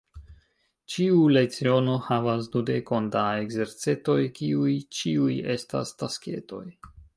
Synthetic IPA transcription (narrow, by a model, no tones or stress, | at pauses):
t͡ʃiulet͡sio̞no̞havas̬dude̞ko̞ndaeɡze̞ɾt͡se̞to̞jkiujt͡ʃiuje̞sta̰staske̞̰to̞j